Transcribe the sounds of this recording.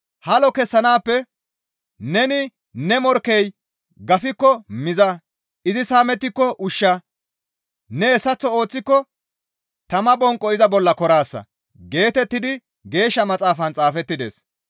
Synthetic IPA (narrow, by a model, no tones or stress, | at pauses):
hɐlɔkɛsːɐnaːpːɛ | nɛnɪ | nɛmɔɾkːɛj | ɡɐfɪkːɔmɪzɐ | ʔɪzɪsaːmɛt̪ːɪkːɔʔʊʃːa | nɛɛsːɐt͡sːɔo̞ːt͡sːɪkːɔ | t̪ɐmɐbɔŋkʼːɔɪzɐbɔlːɐkɔɾaːsːɐ̰ | ɡe̞ːt̪ɛt̪ːɪd̪ɪ | ɡe̞ːʃːɐmɐt͡sʼaːfɐnt͡sʼaːfɛt̪ːɪd̪e̞̰ːs